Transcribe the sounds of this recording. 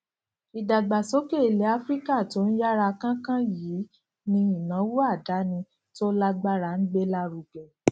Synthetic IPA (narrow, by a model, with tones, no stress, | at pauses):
i˧da˨ɡ͡ba˨so˦ke˦˨i˨le˨˦a˦fɾi˦ka˦˨to˨˦n̩˦ja˦ɾa˧kã˦kã˦jiː˨˦ | nĩ˧i˨nã˨˦wu˦a˦˨da˨˦nĩ˧ | to˦la˦ɡ͡ba˦ɾa˧˨n̩˦ɡ͡be˦la˦ɾu˨ɡɛ˨